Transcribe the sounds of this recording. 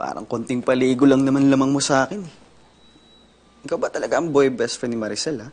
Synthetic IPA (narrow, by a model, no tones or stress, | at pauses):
pa̰ːɾɐ̰ŋkont̪ɪŋpɐliːɡolɐŋnɐmanlɐmɐŋmosɐʔaːkɪnɛ | ɪkawbɐt̪ɐlɐɡaʔɐŋbojbɛst̪fɛnɪmɐɾɪsɛlɐ